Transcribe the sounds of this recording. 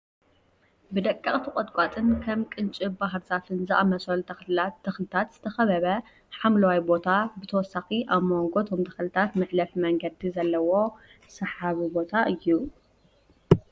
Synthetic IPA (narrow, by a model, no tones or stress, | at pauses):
bɨd̪ɐkʼːɐχʼt̪ʰɨkʼot̪ʼkʷʼat̪ʼɨnkʰɐmkʼɨnt͡ʃʼibaɦɾzafɨnzɨʔamɐsɐlt̪ʰɐxlaɐxlɨt̪ʰat̪z̥ɨt̪ʰɐxɐβɐβɐ | ħamlɐwajbo̞t̪ʰabɨt̪ʰɐwɔsːaxiʔaβmoŋɡo̞t̪ʰo̞mt̪ʰɐ̥xlɨt̪ʰat̪mɨʕlɐfmɐŋɡɐd̪izɐlːɐwo̞ | sɐħaβibo̞t̪ʰaʔɨjːu